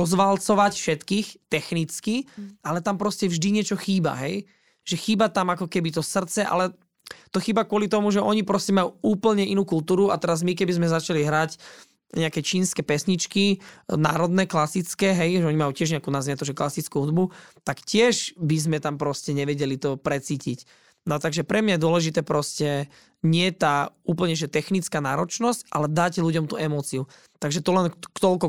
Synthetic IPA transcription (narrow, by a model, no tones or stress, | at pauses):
ɔzʋalt͡sɔʋacfʃɛt̪kiːxt̪ɛxnit͡skialɛt̪ampɾɔscɛvʒd̪iɲɪɛt͡ʃɔxiːba̰ɦɛj | ʒ̥ɛxiːbat̪amakɔkɛbit̪ɔsr̩t͡sɛʔa̰lɛ | t̪ɔxiːbakʊɔlit̪ɔmuʒɛʔɔɲipɾɔscɛmajuuːpl̩ɲɛʔinuːkult̪uːɾua̰t̪ɛɾazmikɛbizmɛzat͡ʃaliɦɾac | ɲɛakɛt͡ʃiːnskɛpɛsɲit͡ʃkina̰ːɾɔd̪nɛklasit͡skɛɦɛjʒɛɔɲimajuːcɪɛʒɲɛakuːnazat̪ɔʒɛklasit͡skuɦud̪but̪akcɪɛʒbizmɛt̪ampɾɔscɛɲɛʋɛɟɛlit̪ɔpɾɛt͡siːcic | nɔt̪aɡʒɛpɾɛmɲajɛd̪ʊɔlɛʒit̪ɛːpɾɔscɛ | ɲɪɛt̪aːuːpl̩ɲɛʒɛt̪ɛxnit͡skaːnaːɾɔt͡ʃnɔscʔa̰lɛd̪aɟluɟɔmt̪uːɛmɔt͡siu | t̪aɡʒɛt̪ɔlɛnkt̪ɔlkɔ